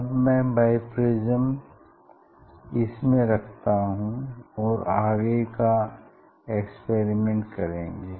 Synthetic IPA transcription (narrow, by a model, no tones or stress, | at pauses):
ɐbmɛ̃baːɪpɾɪzəm | ɪsmẽɾɐkʰt̪aɦũɔːɾaːɡeka | ekspeːɾimẽɳʈkɐɾẽːŋɡeː